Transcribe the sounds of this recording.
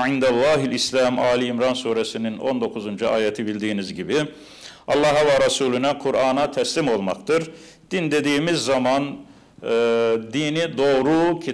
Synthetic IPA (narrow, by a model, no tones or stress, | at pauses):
ʕind̪ælˠːɑːɦilʲislʲæmaːlʲiːmɾansuːɾesinino̞̰nd̪o̞kʰuzund͡ʒuaːjet̪ʰibilʲd̪iːnizɟibi | ɑlˠːɑɦavaɾasuːlʲynɛkʰuɾaːnat̪ʰɛslʲimo̞lˠma̰kt̪ʰɯɾ | d̪̥ind̪e̞d̪iːmizːamanː | d̪iːnid̪o̞ːɾucʰi